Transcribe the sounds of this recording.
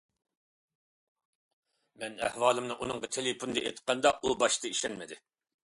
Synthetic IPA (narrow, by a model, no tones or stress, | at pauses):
mɛnæ̰hwɑːlˠɨmnɨʔunɨŋʁɑt̪ʰelepʰund̪ɨʔḛt̪qːɑnd̪ɑʔubɑʃt̪ɨiʃɛnmɪd̪ɪ